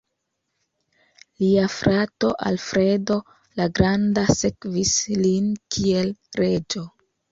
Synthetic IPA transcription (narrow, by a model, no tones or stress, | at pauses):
liafɾato̞ʔa̰lfɾe̞do̞ | laɡɾandase̞kvislinkʰie̞lɾe̞d͡ʒo̞